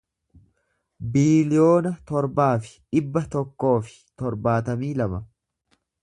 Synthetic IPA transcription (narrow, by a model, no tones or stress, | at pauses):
biːlɪjo̞ːnɐt̪ɔɾbaːfɪ̥ᶑɪbːɐt̪ɔkːo̞ːfɪ̥t̪ɔɾbaːt̪ɐmiːlɐmɐ